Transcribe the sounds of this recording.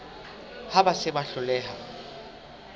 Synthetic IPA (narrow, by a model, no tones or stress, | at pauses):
habasɪbaɬʊlɛːha